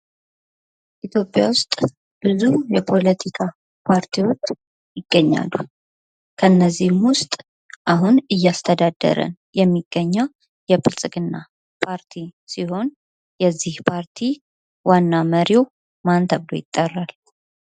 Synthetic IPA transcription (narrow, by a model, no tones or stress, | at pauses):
ʔit̪ʰjo̞pʼːjawʊst̪ʼ | b̥ɨzujɛpʰo̞lət̪ʰikʰa | pʰaɾt̪ʰiwot͡ʃː | jɪɡ̥ːəɲːa̰lːu | kʰəɨnːəzːihmwʊst̪ʼ | ʔaɦunɨjːast̪ʰəd̪ad̪ːə̰ɾə̰n | jɛmːiɡ̥ːəɲːəw | jɛfɨlsʼɨkʼɨnːa | pʰaɾt̪ʰisiho̞n | jɛzːihpʰaɾt̪ʰi | wanːaməɾiw | mant̪ʰəblo̞̰jɪt̪ʼːərːal